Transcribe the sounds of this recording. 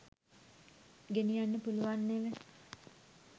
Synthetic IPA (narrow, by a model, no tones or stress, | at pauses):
ɡenijanːəpuluʋanːeʋe